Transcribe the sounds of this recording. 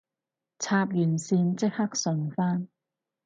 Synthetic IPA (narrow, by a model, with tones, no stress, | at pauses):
t͡sʰaː˧p̚jyː˨˩nsiː˧nt͡sɪ˥k̚hɐ˥k̚sɵ˨˧nfaː˥n